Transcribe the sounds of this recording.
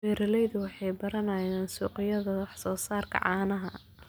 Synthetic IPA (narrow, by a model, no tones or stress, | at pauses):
wɛːɾɐlɛjðʊwɑħɑjbɐɾɐnɐjaːnsuːqɪjɐðɐwɑħsɔːsaːrkʰɐ̰ʕɑːnɐɦɐ